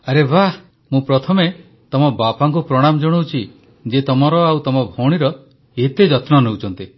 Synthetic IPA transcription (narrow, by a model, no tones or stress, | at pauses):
aɾebʱa | mũpɾɔt̪ʰɔme | t̪ɔmɔbapaŋkupɾɔɽ̃amɔd͡ʒɔɽ̃owt͡ʃʰi | d͡ʒet̪ɔmɔɾɔawt̪ɔmɔbʱoɽ̃iɾɔ | et̪ed͡ʒɔt̪nɔnewt͡ʃʰɔnt̪i